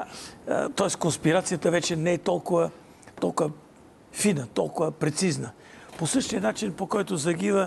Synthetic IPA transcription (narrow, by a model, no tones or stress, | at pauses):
t̪ɔɛskonspiɾat̪sijət̪əvɛt͡ʃɛnɛɛt̪ɔlˠkʊvə | t̪ɔlˠkʊvə | finət̪ɔlˠkʊvəpɾɛt̪siznə | posɤʃt̪ijənat͡ʃinpokɔjt̪ʊzɐɡ̟ivə